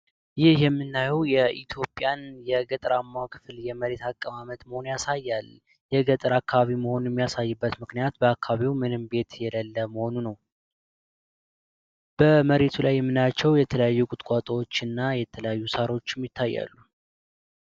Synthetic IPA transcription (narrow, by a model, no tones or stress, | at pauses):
jɪhhjɛmːɨnːajɛwjɛʔit̪ʰjo̞pʼjanjɛɡət̪ʼɾamːawkʰɨ̥fljɛməɾe̞t̪ʰakʼːəmamət̪məho̞njasajːal | jɛɡət̪ʼɨɾakːaβaβiməho̞nujɛmːijasajːɨbːət̪mɨknijat̪bəakːaβaβiwmɨnɨmbe̞t̪jɛləlːəməho̞nunəw | b̥əməɾe̞t̪ʰulajːɛmːɨnat͡ʃːɛwjɛt̪ʰələjajːukʼʊt̪ʼkʼat̪ʼəwot͡ʃːɨnːajɛt̪ʰələjajːusaɾo̞t͡ʃːjɛmːjɪt̪ʰːajːa̰lːu